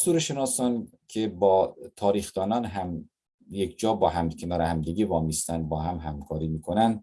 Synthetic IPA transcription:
suːɾeʃenɒːsɒːnkʲʰebɒːt̪ʰɒːɾiːxd̪ɒːnɒːnɦæm | jekd͡ʒɒːbɒːɦæmkʲʰenɒːɾehæmd̪eɡevɒːmist̪ænbɒːhæmɦæmkʰɒːɾiːmiːkʰonænd̪

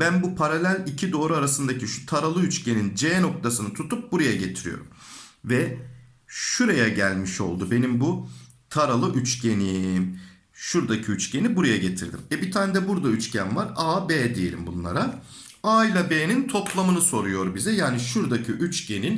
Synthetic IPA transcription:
bænbupʰaɾalʲælʲicʰid̪o̞ːɾuaɾasɯnd̪acʰiʃu̥t̪ʰaɾalˠɯyt͡ʃcʰe̞nind͡ʒeːno̞k̚t̪ʰasɯnɯt̪ʰut̪ʰup̚buɾajaɟe̞t̪ʰiɾḭjo̞̰ɾṵmvɛ | ʃuɾajaɟælʲmiʃo̞̰lˠd̪ube̞nimbu | t̪ʰaɾalˠɯʔyt͡ʃcʰe̞nim | ʃuɾd̪acʰiyt͡ʃce̞nibuɾajaɟe̞t̪ʰḭɾd̪ḭmɛbit̪ʰaːnd̪ɛbuɾd̪ayt͡ʃcænvaɾaːbeːd̪ijelʲḭmbṵnlˠa̰ɾa | aːilʲabeːnint̪ʰo̞pʰlˠamɯnɯso̞ɾujo̞ɾbizɛjaːniʃuɾd̪acʰiʔyt͡ʃce̞nin

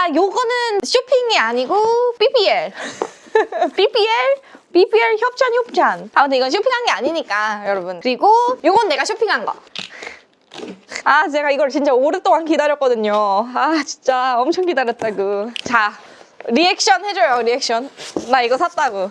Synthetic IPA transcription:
ajoɡʌnɯnɕʰopʰiŋiaɲiɡopʰipʰieɭ | pʰipʰieɭpipʰieɭçjʌp̚t͡ɕʰançjʌp̚t͡ɕ͈ʰantamʌt̬ʰeiɡʌnɕʰopʰiŋɦanɡeaɲiɲik͈ajʌɾʌbunkɯɾiɡojoɡʌnɯnːe̞ɡaɕʰopʰiŋɦanɡʌ̰ | at͡ɕe̞ɡaiɡʌɭt͡ɕint͡ɕ͈aoɾɯt͈oŋankidaɾjʌk͈ʌdɯɲoat͡ɕint͡ɕ͈aʌmt͡ɕʰʌŋkidaɾjʌt̚t͈aɡot͡ɕa | ɾiek̚ɕ͈ʌnhe̞d͡ʑʌjoɾiek̚ɕ͈ʰʌnmaiɡʌsʰat̚t͈aɡo

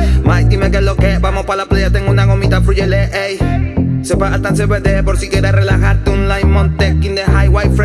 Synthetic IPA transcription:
majt̪imekelokebamopalaplejat̪eŋunaɣomit̪afɾuʝeleʔejsepaat̪aseped̪epoɾsikeɾarelaxaɾt̪eunlajnmont̪ekːind̪eɦajwajfɾ

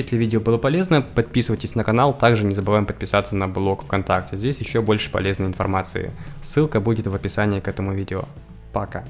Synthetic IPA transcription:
esʲlʲɪvʲidʲɪobɨlˠəpɐlʲe̞znəpɐt̪̚pʲisɨvətʲɪsʲnəkɐnalˠt̪aɡʐɨnʲɪzəbɨvajɪmpət̪̚pʲɪsat̪sənɐblˠo̞kfkɐnt̪ak̚tʲɪzʲdʲesʲjɪɕːobo̞lʲʂɨ̥pɐ̰lʲe̞znəɪnfɐ̰rmat̪sɨ̰ɪ̰sːɨlˠkəbudʲɪt̪vəpʲɪsanʲɪɪkɛt̪əmʊvʲidʲɪo̰ | pɐka̰

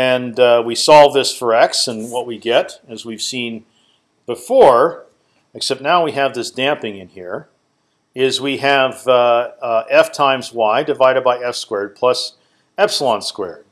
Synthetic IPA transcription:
ɨ̃nwisɔlˠvðɪsfə˞ɛksɨ̃nwʌt̚wiɡɛɾɨzwiv̥sĩn | b̥əfɔɹ | ɨksɛp̚tⁿnaʊwiɨvðɪsd̥æ̃mpɪ̃ŋɨ̃nhiɹ | ɪzwiɨv | ɛftʰãɪ̃mzwaɪdɨvaɪɾɨd̚baɪɛfskwɛɹd̚pʰl̥ʌs | ɛb̥səl̩ˠɑ̃nskwɛ̰ɹd̥̚

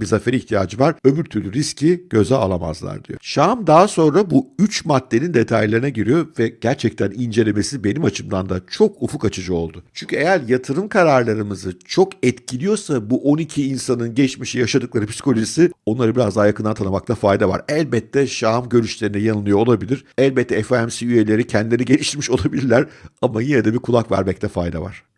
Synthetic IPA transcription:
bizafeɾiçt̪ʰijaːd͡ʒɯvaɾ̥ø̞vyɾt̪ʰyɾlʲyɾiscʰiɟ̥ø̞zɛa̰lˠama̰zlˠa̰ɾd̪ḭjo̰ʃamd̪aːso̞nɾabuyt͡ʃmat̪ːe̞nind̪e̞t̪ʰajlʲˠaɾɯnaɟiɾijo̞vɛɟ̥æɾt͡ʃʰɛc̚t̪ʰænind͡ʒe̞lʲe̞me̞sibe̞nimat͡ʃʰɯmd̪and̪at͡ʃʰo̞kufukat͡ʃʰɯd͡ʒɯo̞̰lˠd̪ʊt͡ʃʰyɲʲcʰʲye̞jæɾjat̪ʰɯɾɯmkʰaɾaɾlˠaɾɯmɯzɯt͡ʃʰo̞kɛt̪cʰilʲijo̞sabuʔo̞nicʰiːnsanɯnɟɛt͡ʃmiʃijaʃad̪ɯklˠaɾɯpʰi̥sko̞lʲoʒisio̞nlˠaɾɯbiɾazd̪aːjakɯnd̪ant̪ʰanɯmak̚t̪ʰafajd̪ava̰ɾɛlʲbɛtt̪ʰːɛʃamɟø̞ɾyʃlʲe̞ɾinɛjanɯlˠɯjo̞olˠabilʲiɾ̥ɛlʲbɛt̪ʰːɛɛfæmsiyje̞lʲe̞ɾicʰɛnd̪id̪iniɟelʲiʃt̪iɾmiʃo̞lˠabilʲiɾlʲæɾamajined̪ɛbikʰulˠakvæ̰ɾmɛc̚t̪ʰɛfajd̪a̰va̰ɾ̝̥

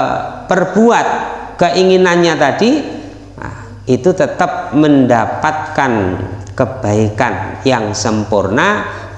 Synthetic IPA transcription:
pərbuat̪̚kəʔiŋinanɲat̪adi | it̪ut̪ət̪ap̚məndapat̪̚kankəb̥aikanjaŋsəmpurna

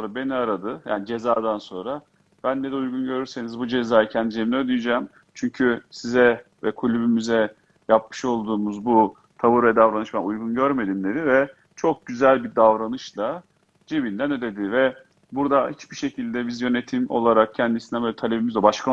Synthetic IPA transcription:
ɾabe̞niaɾad̪ɯja̰ːnid͡ʒe̞zaːd̪anso̞nɾa | b̥ænːed̪ɛujɡunɟø̞ɾyɾse̞nizbud͡ʒe̞zaːjacʰɛnd̪id͡ʒeβinɛød̪yjd͡ʒaːm | t͡ʃʰyɲcʰysizɛvɛkʰulʲybymyzɛ | jap̚mɯ̥ʃo̞lˠd̪uːmuzbu | t̪ʰabuɾɛd̪avɾanɯʃbænujɡunɟøɾme̞d̪imd̪e̞d̪ivɛ | t͡ʃʰo̞k̚ɟyzælʲbid̪avɾanɯʃlˠa | d͡ʒebind̪ænød̪e̞d̪ɪvɛ | buɾd̪ahit͡ʃbiʃe̞cʰilʲd̪ɛbizjø̞ne̞t̪ʰimo̞̰lˠaɾak̚cʰænd̪isind̪ɛbølʲɛt̪ʰalʲebimizd̪ɛbaʃkʰa

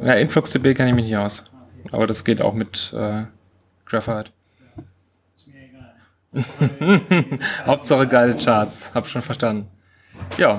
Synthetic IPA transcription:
jaːʔɪnflʊksd̥ebeːkʰɛnɪçmɪçnɪçaʊsʔa̰ːbɐɾasɡ̥eːta̰ʊxmɪtʔɛ̰ː | ɡ̥ʁɛfaɪt | haʊp̚tz̥aχəɡaɪlət͡ʃaɐtshaːbɪçʃoːnfɛɐʃtandn̩ | jaː

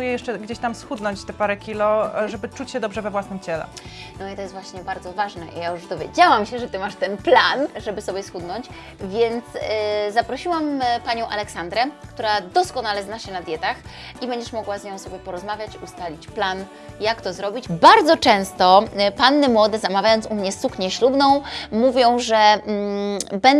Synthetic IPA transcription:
ujɛjɛʂt͡ʂɛɡd͡ʑeɕt̪amsxud̪nɔɲt͡ɕt̪ɛpaɾɛkʲilɔʐɛbɘt͡ʂut͡ɕɕɛd̪ɔbʐɛvɛvwasnɘmt͡ɕɛlɛ̰ | nɔit̪ɔjɛst̪vwaɕɲɛbaɾd̪zɔvaʐnɛʔḭjajuʐd̪ɔvʲjḛd͡ʑawamɕɛʐɛt̪ɘmaʂt̪ɛnplanʐɛbɘsɔbʲjɛsxud̪nɔɲt͡ɕ | vʲjɛnt̪szapɾɔɕiwampaɲɔ̃w̃ʔalɛksand̪ɾɛkt̪uɾad̪ɔskɔnalɛznaɕɛnad̪ʲjɛt̪ax | ʔibɛɲd͡ʑɛʂmɔɡwazɲɔ̃w̃sɔbʲjɛpɔɾɔzmavʲjat͡ɕust̪alʲit͡ɕplan | jakt̪ɔzɾɔbʲit͡ɕbaɾd̪zɔt͡ʂɛ̃w̃st̪ɔpanːɘmwɔd̪ɛzamavʲjajɔnt̪sumɲɛsukɲɛɕlubnɔ̃w̃muvʲjɔ̃w̃ʐɛ | bɛn

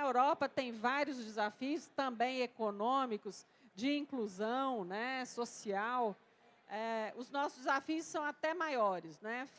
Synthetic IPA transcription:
ɐewɾɔpɐt̪ẽj̃vaɾiʊzd͡ʒɪzafiʊst̪ɐ̃mbẽj̃ekonõmikʊs | d͡ʒɪĩkluzɐ̃w̃nɛsosiaw | ɛʊznɔsʊzd͡ʒɪzafiʊsːɐ̃w̃at̪ɛmajɔɾɪsnɛ

